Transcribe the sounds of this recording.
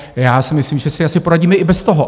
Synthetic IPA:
jaːsɪmɪsliːmʒɛsɛasɪpo̞ɾaɟiːmɛʔɪbɛst̪oɦo

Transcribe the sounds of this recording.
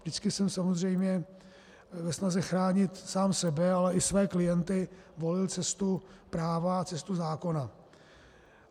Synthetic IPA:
vdɪt͡skɪsɛmsamo̞zrɛjmɲɛ | vɛsnazɛxɾaːɲɪt̪saːmsɛbɛalɛʔɪsvɛːklɪjɛnt̪ɪ | vo̞lɪlt͡sɛst̪upɾaːvat͡sɛst̪uzaːko̞na

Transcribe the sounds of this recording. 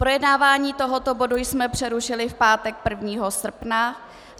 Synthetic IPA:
pɾo̞jɛdnaːvaːɲiːt̪o̞ɦo̞t̪obo̞dujsmɛpr̥ɛɾuʃɪlɪfpaːt̪ɛk̚pr̩vɲiːɦo̞sr̩pna

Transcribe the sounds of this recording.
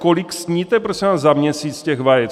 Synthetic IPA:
koliksɲiːt̪ɛpɾosʲɛnaːzamɲɛsiːt͡scɛɣvajɛt͡s

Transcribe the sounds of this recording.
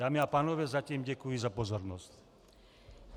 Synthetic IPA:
aːmiapaːnɔʋɛːzaciːmɟɛkujizapɔzɔɾnɔsc

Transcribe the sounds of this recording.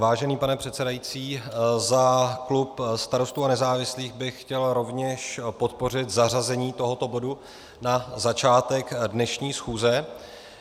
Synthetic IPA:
vaːʒɛniːpanɛpr̝̥ɛt̪sɛdajit͡siːzaklupst̪aɾo̞st̪uːanɛzaːvɪsliːɣbɪxːcɛlɾo̞vɲɛʃpo̞t̪po̞r̝ɪt̪zarazɛɲiːt̪o̞ɦo̞t̪o̞bo̞du | nazat͡ʃaːt̪ɛkdnɛʃɲiːsxuːzɛ

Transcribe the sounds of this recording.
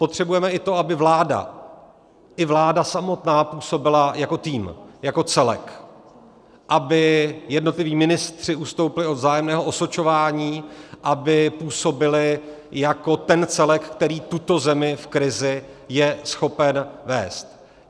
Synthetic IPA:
po̞t̪r̝̥ɛbujɛmɛʔɪt̪o̞abɪvlaːda̰ | ʔɪvlaːdasamo̞t̪naːpuːso̞bɪlajako̞t̪iːmjako̞t͡sɛlɛ̰k | ʔabɪjɛdno̞t̪lɪviːmɪnɪst̪r̝̥ɪust̪o̞wpɪlɪo̞d̪zaːjɛmnɛːɦoʔo̞sot͡ʃo̞vaːɲiːʔabɪpuːso̞bɪlɪ | jako̞t̪ɛnt͡sɛlɛkkt̪ɛɾiːt̪ut̪o̞zɛmɪfkɾɪzɪ | jɛsxo̞pɛnvɛ̰ːst̪

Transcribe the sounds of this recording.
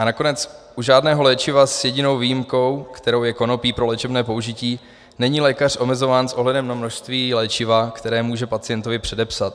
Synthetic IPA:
anako̞nɛt͡sʔuʒaːdnɛːɦo̞lɛːt͡ʃɪvasjɛɟɪno̞wviːjɪmko̞wkt̪ɛɾo̞wjɛko̞no̞piːpɾo̞lɛːt͡ʃɛbnɛːpo̞uʒɪciː | nɛɲiːlɛːkar̝ʔo̞mɛzo̞vaːnsʔo̞ɦlɛdɛmnamno̞ʃst̪viːlɛːt͡ʃɪvakt̪ɛɾɛːmuːʒɛpat͡sɪjɛnt̪o̞vɪpr̝̥ɛdɛpsat̪̚

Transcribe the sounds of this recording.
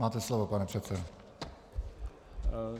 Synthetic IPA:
aːt̪ɛslovopanɛpr̥ɛt̪sɛdo

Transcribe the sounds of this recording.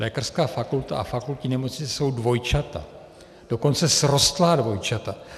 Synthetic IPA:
lɛːkar̥skaːfakult̪a̰ʔa̰fakulcɪnɛmot͡sɲɪt͡sɛso̞wdvo̞jt͡ʃat̪a̰ | d̥oko̞nt͡sɛsɾo̞st̪laːdvo̞jt͡ʃat̪a

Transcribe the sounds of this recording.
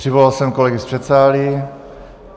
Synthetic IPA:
r̥ivɔlalsɛmkɔlɛɡisprɛt̪saːli

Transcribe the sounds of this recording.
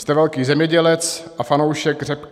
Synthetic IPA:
st̪ɛvɛlkiːzɛmɲɛɟɛlɛt͡sʔafanowʃɛɡr̝ɛp

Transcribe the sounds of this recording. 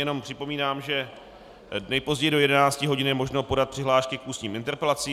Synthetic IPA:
jɛno̞mpr̝̥ɪpo̞miːnaːmʒɛ | dnɛpo̞zɟɛjdo̞jɛdɛnaːt͡scɪɦo̞ɟɪnjɛmo̞ʒnopo̞dat̪̚pr̥ɪɦlaːʃkɪkʔuːsɲiːmɪnt̪ɛɾpɛlat͡siː

